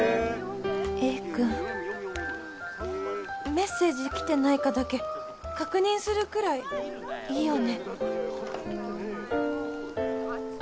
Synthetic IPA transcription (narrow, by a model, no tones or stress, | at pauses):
eːkɯ̟̃ɴ | me̞sːe̞ːd͡ʑikʲi̥t̪e̞naikad̪ake̞ | kakɯ̟ɲ̟ĩɰ̃sɨɾɯ̟kɯ̟ɾai | iːjo̞ne̞